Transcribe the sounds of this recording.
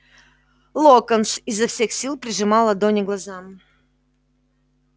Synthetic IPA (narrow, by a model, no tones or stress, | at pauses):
lˠokənsɪzːɐfsʲe̞xsʲilˠpɾʲɪʐɨmɑlˠɐd̪onʲɪɡlˠɐzam